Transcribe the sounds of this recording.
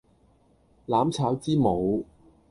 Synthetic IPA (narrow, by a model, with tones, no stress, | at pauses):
laː˨˥mt͡sʰaː˨˥wt͡siː˥mo˨˧w